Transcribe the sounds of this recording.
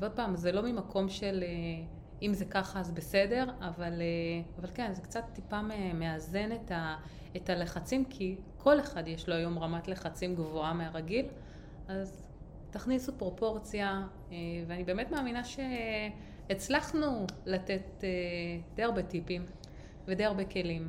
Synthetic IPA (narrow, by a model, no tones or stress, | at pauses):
veo̞d̚paːmzelo̞mimakʰo̞mʃe̞le | imzekaχaazbese̞de̞ʁavaleavalke̞nzekt͡satːipameme̞aze̞neta | etale̞χat͡simkʰi | kʰo̞le̞χadjeʃloajo̞mʁamatle̞χat͡simɡvoameaʁaɡil | ʔaz | taχnisupʁo̞po̞ʁt͡sja | eveanibeːmetmaːminaʃe̞ː | t͡slaχnulatetedejaʁbe̞tipim | vedejaʁbe̞ke̞lim